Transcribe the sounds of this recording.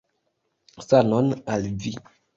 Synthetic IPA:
sanɔnalvi

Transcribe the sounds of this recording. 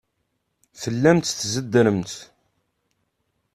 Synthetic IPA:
fəlːæmt̪θzəd̪ːɾəmt̪

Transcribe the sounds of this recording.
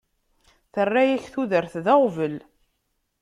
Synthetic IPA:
θərːæjæçθuðəɾθðæʁvəl

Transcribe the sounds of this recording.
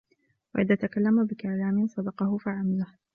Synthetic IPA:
wa̰ʔɪðaːt̪akalːamabɪkaʕlaːmɪnsˤɑd̪ɑqɑhʊfaʕamalah

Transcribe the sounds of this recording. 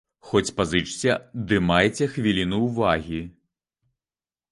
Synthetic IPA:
xɔt͡sʲpazɨt͡ʂt͡sʲɐd̪ɨmajt͡sʲɛxʋʲilʲinuːvaɣʲi

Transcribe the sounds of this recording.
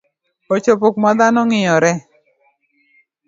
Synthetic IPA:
ot͡ʃopokmad̪anɔŋɪjɔɾɛ

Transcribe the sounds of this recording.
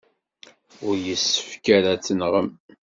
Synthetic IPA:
ʊɾjəsːə̥fkæɾæt͡sːənʁəm

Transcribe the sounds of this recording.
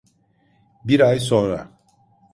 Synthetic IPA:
biɾajs̬ɔɾa̰

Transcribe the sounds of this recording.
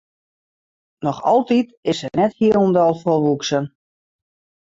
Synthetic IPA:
nɔxɑlˠtitɪsɛnɛthiəlɔmdɔlˠfɔlʋuksən

